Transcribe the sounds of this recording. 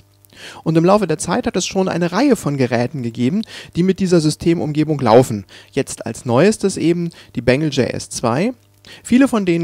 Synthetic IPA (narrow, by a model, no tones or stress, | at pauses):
ʔʊntɪmlaʊfədeːɐt͡saɪthatɛsʃoːnʔa̰ɪnəʁaɪəfɔnɡəʁɛːtn̩ɡəɡeːbm̩d̥iːmɪt̚d̥iːzɐzʏstʰeːmʔʊ̰mɡeːbʊŋla̰ʊfn̩jɛt͡sta̰lsnɔʏstəsʔeːbm̩d̥iːbɛŋl̩d͡ʒḛːʔɛ̰st͡sv̥a̰ɪ | fiːləfɔndeːnə